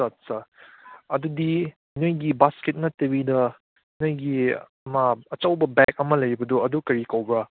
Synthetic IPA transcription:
sat̚sa | ɐdudi | nojɡibasket̚nɐtewidɐ | nojɡiɐmɐɐt͡ʃɐwbɐbɛk̚ɐmɐlɐjbɐdoɐdukɐɾikawbɾa

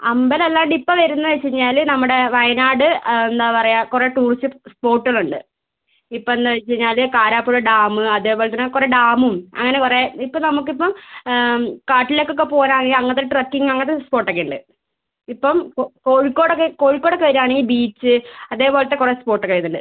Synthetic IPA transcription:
ɐmbɐlelːaːɳɖipːɐʋɐɾunːɐðet͡ɕːɐɲːaːlnɐmːuɽe̞ʋɐjɐnaːɽɨend̪aːpɐrɐjakureʈuːrt͡ɕːɨspo̞ːʈːɨɣɐɭuɳɖɨ | ipːomend̪aʋt͡ɕːɐɲːaːlkaːɾaːpːuɻɭɐɖaːmɨɐðe̞ːpo̞ːlt̪ːɐnːɐkureɖaːmumɐ̰ŋːɐnekureipːɐnɐmuk̬ːipːɐm | kaːʈːilokːokːe̞po̞ːnaːŋiɐŋːɐt̪ːeʈrɐkːiŋɐŋːɐt̪ːespo̞ːʈːɐkːeːɳɖɨ̰ | ipːɐmokoːɻikːo̞ːɽokːeko̞ːɻikːoɽokːeʋɐɾaːɳiːbiːt͡ɕːɨɐðe̞ːpo̞ːlɐt̪ːekurespo̞ːʈːɐkːɐjt̪ːuɳɖɨ

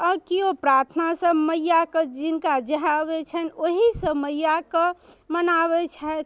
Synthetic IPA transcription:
əkiopɾaɾt̪ʰnasəbməjːaked͡ʒinkad͡ʒəɦabɛt͡ʃʰɛnoɦisəbməjːakemənaβɛt͡ʃʰɛt̪

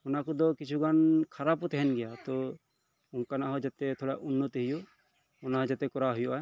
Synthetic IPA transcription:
ɔnakɔd̪ɔkit͡ʃʰuɡankʰaɾapɔt̪ɛɦɛnɡɛjat̪ɔ | unkanaɦɔd͡ʒat̪ɛt̪ʰɔɽaʔunːɔt̪ɦiju | ɔnaɦɔ̃d͡ʒat̪ɛkɔɾaɦujuʔa

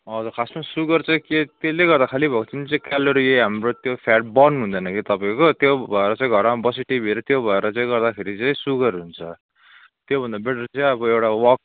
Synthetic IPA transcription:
ʌd͡zukʰasmad͡zsuɡʌrt͡saĩket̪eleɡʌrd̪akʰalibʱʌkot͡sʰinit͡sãĩkaloɾieɦamrot̪jopʰaʈ̚bʌrnuɦũnd̪ʌnʌkit̪ʌpãĩkot̪jobʱʌeɾʌt͡sãĩɡʱʌɾmabʌsiʈibʱiɾʌt̪jobʱʌeɾʌt͡saĩɡʌɾd̪akʰeɾit͡saĩsuɡʌrɦunt͡sʰʌ | t̪jobʱʌnd̪abeʈʌrt͡saĩʌbʌewʈawʌk̚

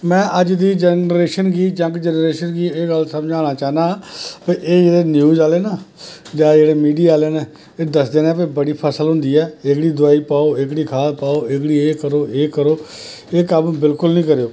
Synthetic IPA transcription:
mɛ̃ːʔəd͡ʒd̪iːd͡ʒɛnɾeːʃənɡiːd͡ʒə̃ŋɡd͡ʒɛːnɾeːʃənɡiːeːɡəlsəmd͡ʒaːɽ̃aːt͡ʃaːɦnãːpeːʔeːd͡ʒeːɽeːnjuːzaːleːnaːd͡ʒaːd͡ʒeːɽeːmiːɖijaːleːnaː | eːd̪əsd̪eːnẽːp̬ebəɽiːpʰəsəlɦʊ̃nd̪iːɛːɪkɽiːd̪ʊaːiːpaːoːɪkɽiːkʰaːspaːoːɪkɽiːeːkəɾoːeːkəɾoː | eːkəmbɪlkʊlnĩːkəɾejoː

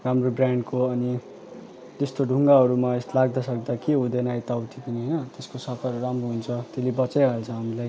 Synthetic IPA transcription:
ramrobrjaɳɖkoʌni | t̪est̪oɖʱuŋɡaɦʌɾumaest̪laɡd̪ʌsʌk̚d̪akeɦud̪enajt̪awt̪ʰipʌniɦʌjnʌt̪eskosʌkʰʌrramroɦunt͡sʰʌt̪elebʌt͡sʌjalt͡sʰʌɦamilaj

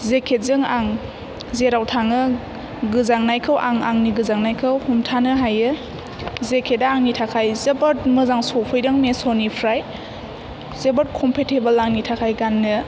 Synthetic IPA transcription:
zekʰet̚zɯŋaŋ | zeɾawtʰaŋɯ | ɡɯzaŋnajkʰɯwʔaŋaŋniɡɯzaŋnajkʰɯwhumtʰanɯɦajɯ | zekʰetdaaŋnitʰakʰajzebɯt̚mɯzaŋsɔpʰɯjdaŋmesonipʰɾaj | zebat̚kʰɔmpʰetʰebəlaŋnitʰakʰajɡanːɯ

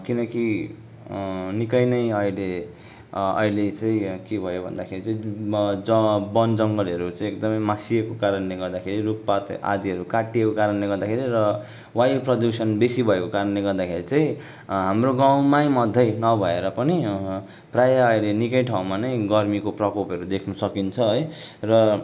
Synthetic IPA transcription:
kinʌki | nikʌjnʌjʌjle | ʌ̰jlet͡saĩkebʱʌjobʱʌ̰nd̪akʰeɾit͡sãd͡zʌbʌnd͡zʌŋɡʌlʌɾut͡saĩek̚d̪ʌmʌjmasiekokaɾʌnleɡʌrd̪akʰeɾiruppat̪a̰d̪iɦʌɾukaʈːiekokaɾʌnleɡʌrd̪akʰeɾiɾʌ | wajuprʌd̪jusʌnbesibʱʌekokaɾʌnleɡʌrd̪akʰeɾit͡sãĩ | ɦamroɡaw̃majmʌd̪ʱːʌjnʌbʱʌeɾʌpʌni | prajaːjlenikʌjʈʰaw̃manʌjɡʌrmikoprʌkopʌɾud̪ekʰnʌsʌkint͡sʰʌɦʌjrʌ

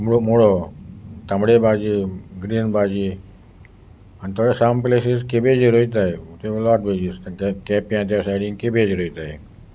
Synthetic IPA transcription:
mɽomoɭo | t̪ãmɽebad͡ʒiːɡɾiːnbad͡ʒiː | ant̪oɽesampleseskebed͡ʒiɾoit̪̬aet̪elat̪̚bʱed͡ʒiskkɛpjãt̪̬jasajɽĩŋɡkebed͡ʒiɾoit̪ae

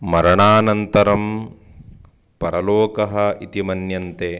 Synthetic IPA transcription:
mɐɾɐɳaːnɐnt̪ɐɾɐm | pɐɾɐloːkɐɦɐʔit̪imɐnjɐnt̪e

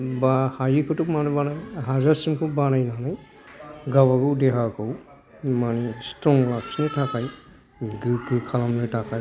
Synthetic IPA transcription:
bahajikʰɯtumanebanajɦazasimkʰɯbanajnanaj | ɡawaɡɯwdeɦaɡɯw | manestɾɔŋlaksnɯtʰakʰaj | ɡɯɡɯkʰalamnɯtʰakʰaj

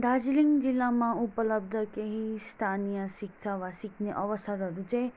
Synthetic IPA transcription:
ɖʱad͡zliŋɡd͡zilːamãupəlʌb̚d̪ʱʌkeɦist̪ʰanijəsik̚t͡ʃʰaʋasikʰneʔʌʋəsʌɾɦʌɾut͡saĩ

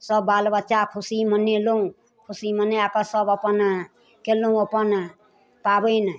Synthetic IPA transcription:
səbːalbətːt͡ʃakʰusiməneloũ | kʰusimənːeakəsəbəpən | keloũəpən | pabəjn

